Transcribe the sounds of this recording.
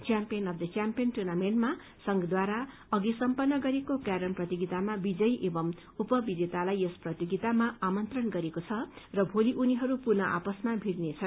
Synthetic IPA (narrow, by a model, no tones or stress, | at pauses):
t͡sjampijʌnʌbd̪ʌt͡sjampijʌnʈurnamenʈma | sʌŋɡʌd̪waɾa | ʌɡisʌmpʌnːʌɡʌɾekokaɾʌnprʌt̪iɡit̪amabid͡zʌjʔebʌm | upʌbid͡zet̪alajʌsprʌt̪jiɡit̪amaamʌnt̪rʌnɡʌɾekot͡sʰʌrʌbʱoliʔuniɦʌɾupurnʌʔa̰pʌsmabʱiɽnet͡sʰʌn